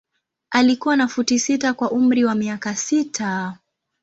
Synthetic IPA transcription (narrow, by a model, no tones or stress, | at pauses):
alikuwanafutisitakwaʔum̩ɾiwamiakasitʰa